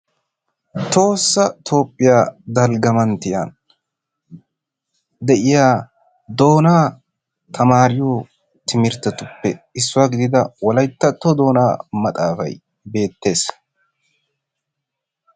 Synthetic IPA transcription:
t̪o̞ːsːɐt̪ʰo̞ːpʼːɪjaːd̪ɐlɡɐmɐnt̪ɪja̰n | d̪ɛʔɪjaː | d̪o̞ːnaː | t̪ʰɐmaːɾɪjoː | t̪ʰɪmɪɾt̪ːɐt̪ʊpːɛɪsːʊwaːɡɪd̪ɪd̪ɐwɔlɐjt̪ːɐt̪ːod̪o̞ːnaːmɐt̪ʼaːfɐ̰j | be̞ːt̪ːe̞ːs

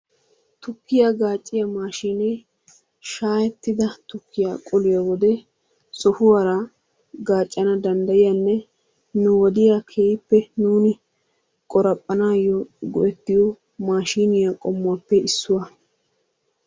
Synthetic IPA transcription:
t̪ʊkːɪjaɡaːt͡ʃʼːɪjɐmaːʃiːne | ʃaːjɛt̪ːɪd̪ɐt̪ʊkːɪja̰kʼɔlɪjɐwɔd̪ɛ | sɔfʊwaɾɐ | ɡaːt͡ʃʼːɐnɐd̪ɐnd̪ɐjɪjanːɛ | nʊwɔd̪ɪjakʰeːjɪpːɛnuːnɪ | kʼɔɾɐpʼːɐnaːjːɔɡɔʔɛt̪ːɪjɔ | maːʃiːnɪjakʼɔmːʊwaːpːɛɪsːʊwɐ

